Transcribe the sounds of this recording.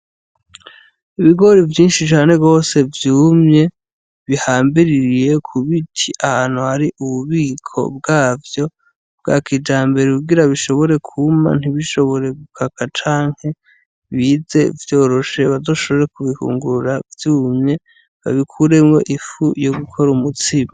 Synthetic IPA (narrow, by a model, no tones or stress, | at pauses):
iβiɡo̞ɾivjiːnʃit͡ʃaːne̞ɡo̞ːse̞vjuːmɲe̞ | βihaːmbiɾiɾije̞kʰuβitʰiʔahaːn̥huhaɾiʔuβuβiːkʰo̞̰bɡaːvjo̞ | b̚ɡa̰kid͡ʒaːmbe̞ɾeuɡiɾaβiʃo̞βo̞ɾe̞kʰuma̰n̥iβiʃo̞βo̞ɾe̞ɡukʰakat͡ʃaːŋ̥he̞ | βize̞vjo̞ːɾo̞ʃe̞βazo̞ːʃo̞βo̞ɾekuβihṵːŋɡuɾuɾavjuːmɲe̞ | βa̰βikʰuɾe̞mŋo̞̰ʔifujo̞ɡukʰo̞ɾumutima